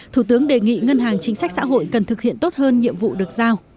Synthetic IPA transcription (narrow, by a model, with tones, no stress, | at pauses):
t̪ʰu˧˩t̪ɨ˨˦əŋɗe˨˩ŋḭ˧˨ŋə˧nɦaː˨˩ŋt͡ɕï˨˦ŋ̟sa˦˥k̟̚sa̰ː˧˥ɦo̰˧˨jkə˨˩nt̪ʰɨ˨˩k̚hḭ˧˨ənt̪o˦˥t̚həː˧nɲḭ˧˨əmvṵ˧˨ɗɨ˨˩ək̚zaː˧w